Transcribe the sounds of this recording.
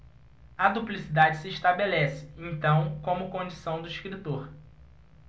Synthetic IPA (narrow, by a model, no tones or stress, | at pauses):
ɐd̪uplisid̪ad͡ʒɪsɪːʃt̪abelɛsɪ̥ẽt̪ɐ̃w̃kõmʊkõd͡ʒisɐ̃w̃d̪ʊiʃkɾit̪oɾ